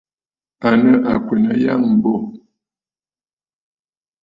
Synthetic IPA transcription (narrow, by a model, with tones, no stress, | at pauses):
a˨nə˦ʔa˨kwe˨nə˦˨ja˦ŋm̩˨bo˦˨